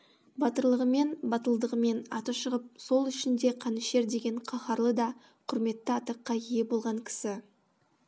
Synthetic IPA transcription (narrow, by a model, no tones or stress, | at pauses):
bɑt̪əɾlˠəʁəme̞nbɑt̪əlˠd̪əʁəme̞nɑ̰t̪əpʃəʁəp̚so̞lˠʏʃɪnd̪e̞qʰɑnɪʃe̞ɾd̪e̞ɡʲe̞ɴqʰɑχɑɾlˠəd̪ɑ | qʰʊɾme̞t̪ːɪɑt̪ɑqːɑije̞bo̞lˠʁɑŋkʲʰɪ̥sɪ